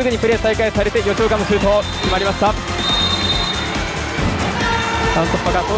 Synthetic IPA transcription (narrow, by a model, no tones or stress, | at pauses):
ɨɡɯ̟ɲ̟ipɯ̟ɾe̞ːsaikaisaɾe̞t̪ejo̞t͡ɕoːkãmːosɨɾɯ̟t̪o | kʲimaɾʲimaɕi̥t̪a | t̪ãnt̪opːakao